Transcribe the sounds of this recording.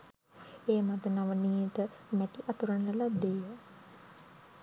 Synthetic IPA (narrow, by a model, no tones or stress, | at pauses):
eːmat̪ənaʋəniːt̪əmæʈiʔat̪uɾənəlad̪eːjə